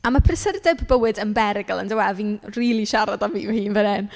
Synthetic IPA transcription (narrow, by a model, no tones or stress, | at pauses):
amapʰrɪsərdɛbbəwɨdənbɛɾɪɡə̰lˠə̰ndəwɛlˠviːnriːlˠiʃaɾadanviːvɛhiːnvənɪn